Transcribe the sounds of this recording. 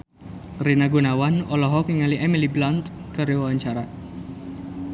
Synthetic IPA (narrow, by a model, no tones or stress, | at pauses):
rinaɡunawanɔlɔɦɔkiŋaliʔɛmiliblant̪ | kəɾiwawaɲt͡ʃaɾa